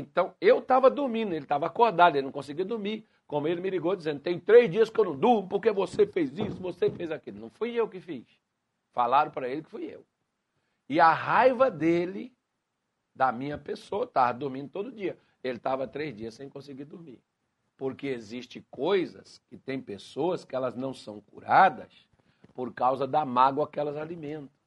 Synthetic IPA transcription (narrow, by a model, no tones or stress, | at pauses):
ẽt̪ɐ̃w̃ewt̪avɐd̪uɾmĩnd̪ʊelɪt̪avɐakoɾd̪ad̪elɪnɐ̃kõsɪɡiuwd̪uɾmi | kõmʊelɪmɪliɡod͡ʒizẽnd̪ʊt̪ẽj̃t̪ɾezd͡ʒiɐskɪewnɐ̃w̃d̪uɾmʊpoɾkevosefejzisʊvosefejzakilʊnɐ̃w̃fujewkɪfis | falaɾʊ̃pɾɐelɪkɪ̥fujḛw | ɪaɦajvɐd̪elɪ | d̪ɐmĩɲɐpesoɐt̪avɐd̪uɾmĩnd̪ʊt̪od̪ʊd͡ʒiɐ | elɪt̪avɐt̪ɾezd͡ʒiɐssẽj̃kõsɪɡiɾd̪ʊɾmiɾ | poɾkeeziʃt͡ʃɪkojzɐ̰skɪt̪ẽj̃pesoɐskɪɛlɐznɐ̃w̃sɐ̃w̃kṵɾad̪ɐ̰s | poɾkawzɐd̪ɐmaɡwɐakɛlɐzalimẽnt̪ɐ̥s